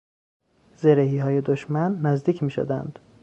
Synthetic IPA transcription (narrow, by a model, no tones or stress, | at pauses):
zeɾeɦiːɦɒːje̞d̪oʃmænːæzd̪iːcʰmiːʃo̰d̪æ̰nd̪̥